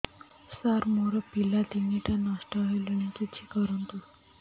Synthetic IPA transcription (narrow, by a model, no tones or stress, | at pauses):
saɾmoɾəpilat̪iŋiʈanasʈəɦejləɳ̃ikit̪ɕiːkəɾənt̪u